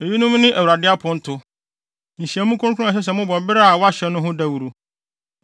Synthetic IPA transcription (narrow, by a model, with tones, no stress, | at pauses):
e˨ji˦nʊ̃˦mnɪ̃˦ʔæ˨wu˨ɾa˨dɪ˦a˦pʰʊ̃˦n̩˦tʰʊ˦ | ñ̩˨ɕi˨æ˨˦mũ˦kʰʊ̃˦kʰʊ̃˦a˨ɕ̬ɛ˦s̬ɛ˨˦mʊ̃˦bɔ˨bɪ˦ɾa˦a˨wɔ˦a˦ɕɛ˦nʊ̃˦ɦʊ̃˦da˦wu˨ɾu˦